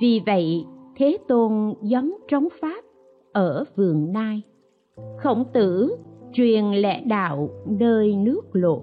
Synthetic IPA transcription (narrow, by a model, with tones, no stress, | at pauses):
vi˨˩və̰˧˨jt̪ʰe˨˦t̪o˧nzɔ˨˦nt͡ɕɔ˨˦wŋ͡mfaː˦˥p̚ | ʔəː˧˩vɨ˨˩əŋnaː˧j | xə̰˧˩wŋ͡mt̪ɨ̰˧˩˨t͡ɕwi˨˩ənlɛ̰˧˥ɗa̰ː˧˨wnəː˧jnɨ˦˥ək̚lo̰˧˨